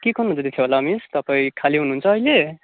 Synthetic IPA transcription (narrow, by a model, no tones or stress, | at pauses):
kikʰonund͡zʌt̪it̪ʰeɦolamist̪ʌpaĩkʰaliɦunuɦunt͡sʰʌːile